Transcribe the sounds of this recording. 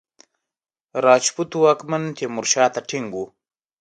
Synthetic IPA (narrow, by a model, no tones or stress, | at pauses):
ɾɑːt͡ʃput̪uwaːkmɐnt̪emuɾʃɑːt̪aʈʰiŋɡu